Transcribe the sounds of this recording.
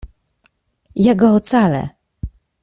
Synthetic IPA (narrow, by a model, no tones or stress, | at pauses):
jaɡɔːt̪salɛ̰